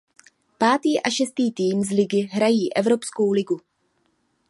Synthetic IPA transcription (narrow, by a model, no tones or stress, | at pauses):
paːt̪iːʔaʃɛst̪iːt̪iːmzlɪɡɪɦɾajiːʔɛvɾo̞psko̞wlɪɡu